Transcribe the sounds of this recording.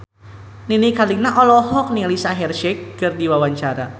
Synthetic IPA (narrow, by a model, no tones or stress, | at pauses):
ninikalinaʔɔlɔɦɔk̚nilisaɦɛrʃɛkːərdiwawaɲt͡ʃaɾa